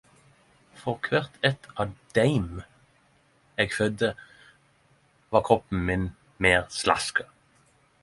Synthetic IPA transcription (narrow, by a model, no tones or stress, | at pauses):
fɔʁkʰʋæʁt̪ʰɛt̪ʰɑːʋd̪̥æɪm | eːɡfœd̪ə | ʋɑːkʰʁɔpːn̩mɪn | meːʁslɑ̰skə